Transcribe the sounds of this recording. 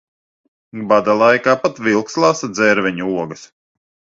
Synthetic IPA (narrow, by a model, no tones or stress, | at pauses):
bad̪alˠajkaːpat̪vilˠkslˠasad̪zɛɾvʲɛɲuuɔɡɐs